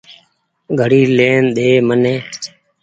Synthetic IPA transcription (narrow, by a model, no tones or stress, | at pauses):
ɡʱəɽiːleːnɗ̪eːməneː